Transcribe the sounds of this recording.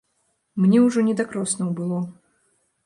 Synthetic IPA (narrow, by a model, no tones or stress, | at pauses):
mnʲɛwʐɔnʲɛd̪akɾɔsnɐwbɨlˠɔ